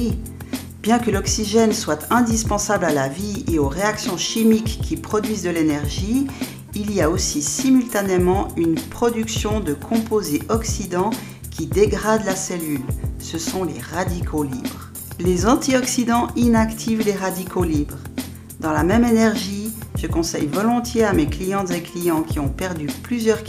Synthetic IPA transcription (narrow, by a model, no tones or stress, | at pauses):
i | b̥jɛ̃kəlɔksiʒɛnswat̪ʰɛ̃d̪ispɑ̃sablalavieoʁeaksjɔ̃ʃimikːipχɔd̪ɥizd̪əlenɛʁʒiː | liaosisimylt̪anemɑ̃ynpχɔd̪yksjɔ̃d̪əkʰɔ̃pozeʔɔksid̪ɑ̃ | kʲid̪eɡʁad̪lasɛlylsəsɔ̃lḛʁad̪ikʰolibʁ | lezɑ̃t̪iɔksid̪ɑ̃inakt̪ʰivleʁad̪ikʰolibʁ | d̪ɑ̃lamɛmenɛʁʒiʒ̥əkɔ̃sɛ̰jvɔlɔ̃t̪jeameklijɑ̃t̪zeklijɑ̃kʲiɔ̃pɛʁd̪yplyzjœʁ